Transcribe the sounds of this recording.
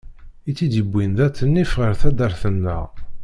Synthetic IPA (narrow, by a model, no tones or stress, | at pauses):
it͡sːid̪əbʷːinðæt͡sːənːifʁəɾθæd̪əɾθənːə̰ʁ